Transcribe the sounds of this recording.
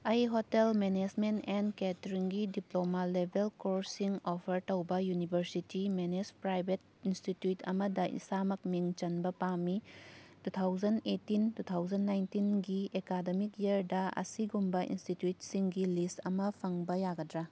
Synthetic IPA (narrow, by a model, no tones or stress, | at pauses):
ɐjɦotelmened͡ʒmentenketɾiŋɡidiplomalebʱelkoɾsiŋopʰɐɾtɐwbɐjunibʱɐɾsitimenespɾajbʱet̚ | institjutʰɐ̰mɐdɐʔḭsamɐk̚miŋt͡ʃɐnbɐpamitutʰawd͡ʒɐnetːintut̪ʰawd͡ʒɐnːajntinɡiekademikjiɐɾdɐɐ̰siɡumbɐḭnstitjut̚siŋɡilistɐmɐpʰɐŋbɐjaɡɐdɾa